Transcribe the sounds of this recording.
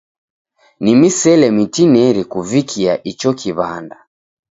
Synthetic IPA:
nimisɛlɛmitinɛɾikuvikʰiaʔit͡ʃɔkiβa̰nda

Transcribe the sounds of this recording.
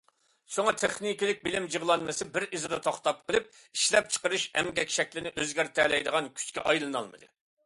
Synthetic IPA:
soŋɑt̪ʰeχnikʲilɪk̚ʲbɪlɪmjiʁlˠɑnmɨsɨbɪɾizɨd̪ɑt̪ʰoχt̪ɑp̚qʰəlˠɨp̚ | iʃlɛp̚t͡ʃʰə̥qəɾɨʃɛ̰mɡʲɛkʲʃɛkʲlɪnɪʔøzɡʲæɾt̪ʰɛlɛjd̪əʁɑnkʲʰy̥t͡ʃkʲɛʔɑjlˠɨnɑ̰lˠmɨ̰d̪ɨ

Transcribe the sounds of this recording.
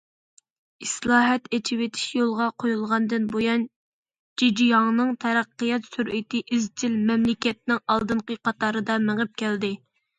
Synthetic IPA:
islˠɑːɦɛt̪et͡ʃʰɪwet̪ʰɪ̥ʃjolˠʁɑqʰojulˠʁɑnd̪ɨnbojɑn | d͡ʒid͡ʒijɑŋnɨŋt̪ʰɛɾæqːijɑt̪syɾʔet̪ʰɪʔɪzt͡ʃʰilmɛmlɪkʲɛt̪̚nɪŋɑlˠd̪ɨɴqəqʰɑt̪ʰɑːɾɨd̪ɑmeŋɨp̚kʲʰɛld̪ɪ

